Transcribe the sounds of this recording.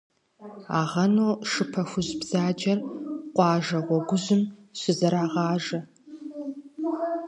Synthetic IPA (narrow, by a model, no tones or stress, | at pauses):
aːʁɐnoːʂɨpʰɐxʷʊʑbz̥aːd͡ʒɐrqʷɑːʒɐʁʷɔɡʷʊʑɪmɕʷɪzɐɾaːʁɑːʒɐ